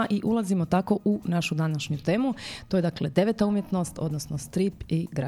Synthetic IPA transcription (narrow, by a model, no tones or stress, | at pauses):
ʔiʔulˠazimo̞t̪ako̞ʔunaʃud̪anaʃɲut̪e̞ːmuo̞jd̪akle̞d̪e̞ʋet̪aumje̞t̪no̞st̪o̞d̪nosno̞st̪ɾipiɡɾa